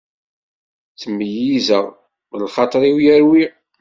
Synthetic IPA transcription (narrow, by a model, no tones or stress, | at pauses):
t͡səmːəjizəʁ | mləlχɑt̪ˤɾˤiwjæɾwi